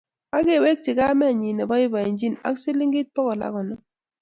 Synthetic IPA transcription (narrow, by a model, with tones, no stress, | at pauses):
a˦ɡe˦˨we˦k̚ti˨ka˦mɛ˦˨ɲi˨nɛ˨bɔ˦i˦bɔ˨e˨nd͡ʒi˦na̰˦ksi˦li˦ŋ˦ɡi˦t̚pɔ˦kɔ˨la̰˦kɔ˨nɔ˦